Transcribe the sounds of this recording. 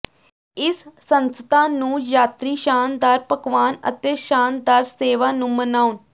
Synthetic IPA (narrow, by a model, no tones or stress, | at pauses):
ɪsː | ənst̪ãːnũːjaːt̪ɾiːʃaːnd̪aɾpəkʋaːnə̰t̪eːʃaːnd̪aɾseːʋaːnũːmənaːʊn